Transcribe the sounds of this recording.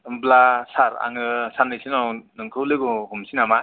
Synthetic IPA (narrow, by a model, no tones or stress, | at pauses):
blasaɾa̰ŋɯsanɯjsɯnawnɯŋkʰɯwlɯɡɯhumsʰinama